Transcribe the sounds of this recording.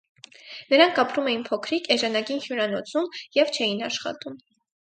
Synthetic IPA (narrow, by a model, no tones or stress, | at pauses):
nəɾɑŋkʰɑpɾumɛjinpʰɔkʰɾikɛʒɑnɑɡinhjuɾɑnɔt͡sʰumjɛvt͡ʃʰɛjinɑʃχɑ̰t̪um